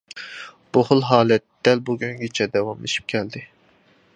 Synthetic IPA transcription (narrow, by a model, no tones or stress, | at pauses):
b̥oχʊlˠɦɑːlɛt̪ːɛlbuɡʲyŋɡʲit͡ʃʰɛd̪ɛwɑmleʃi̥p̚kʲʰɛld̪ɪ